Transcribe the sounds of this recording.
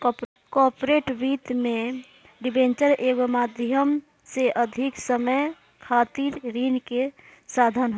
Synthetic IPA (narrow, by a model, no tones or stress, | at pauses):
kp | kɔpɾeʈbit̪me | ɖibent͡ʃəɾeɡomad̪ʱjəm | seʔəd̪ʱiksəməj | kʰat̪iɾɾinke | sad̪ʱənɦo